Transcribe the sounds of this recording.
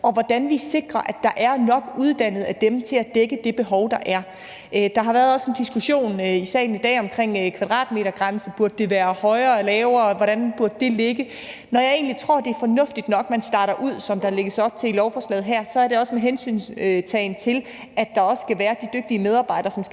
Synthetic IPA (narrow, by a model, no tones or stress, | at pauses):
ɒ̽ʋɒd̥ænʋise̝ɡ̥ʁɐʔæd̥ɑ̈ʔæɐnɒ̽ɡ̥uðˠd̥æn̰ð̞̩ˠæd̥emt͡sʰe̝læd̥eɡ̥əd̥e̝b̥e̝ɦɒʊd̥ɑ̈ʔæɐ | ʔd̥ɑ̈ɦɑ̈ʋæːɐðˠɒ̽se̝nd̥isɡ̥uɕo̝̰ːnisɛ̰ɪn̩id̥ɛ̰ːɒ̽mkʰʁeŋ̰kʰʋɑ̈d̥ʁɑ̰̈ːd̥me̝̰ːɾɐɡ̥ʁansəb̥uɐ̰d̥̚ːe̝ʋæːɐhɒ̽ɪɐːlɛːʊɐːʋɒɾ̥ænb̥uɐ̰d̥əd̥e̝le̝ɡ̥ə | nɒjɑ̈ɪe̝ːnlit͡sʰʁo̝ɐ̰d̥e̝ɐfɒ̽nɔ̽fd̥id̥nɒ̽ɡ̥mænsd̥ɑ̈ːɾɐʔuð̞̰ˠsɒ̽md̥ɑ̈le̝ɡ̥əsɒ̽b̥̚t͡sʰe̝lilɒʊfɒslɛ̰ːð̩ˠɦæɐ̰sɒ̽æɐɾe̝ɒ̽səmeɦensy̰ːnsøt͡sʰɛɪn̩t͡sʰe̝l | æd̥ɑ̈ɒ̽ssɡ̥æʋæːɐd̥id̥øɡ̥̚d̥iəmeð̞ˠɑ̈ːbɑ̈ɪ̰ɾ̥ɐsɒ̽ms